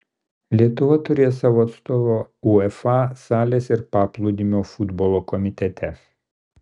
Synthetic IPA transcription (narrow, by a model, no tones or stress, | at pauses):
lʲiɛt̪ʊʋɐt̪ʊɾʲeːjsɑːʋoːɐt̪st̪oːʋoːuɛfɑsɑːlʲeːsɪɾpɑːplˠoʊd̪ʲɪmʲoːfʊd̪boːlˠoːkɔmʲɪt̪ʲɛt̪ʲʰɛs